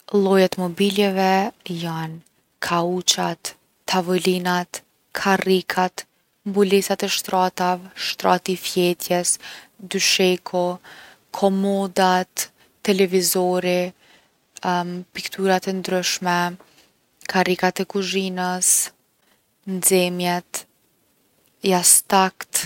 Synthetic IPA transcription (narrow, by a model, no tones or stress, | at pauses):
lˠɔjat̪mɔbilɛvɛjan | kʰaut͡ʃat̪ː | avɔlinat̪ | kʰarikʰat̪ | mbulɛsat̪ɛʃt̪ɾat̪avɛʃt̪ɾɑ̰t̪ifjɛt̪ʰjɛsd̪yʃɛkʰɔ | kʰɔmɔd̪at̪ː | ɛlɛvizɔɾi | pikt̪ʰuɾat̪ɛnd̪ɾyʃmɛ | kʰarikat̪ɛkuʒinəs | nd͡zɛmjɛt̪ | jast̪akt̪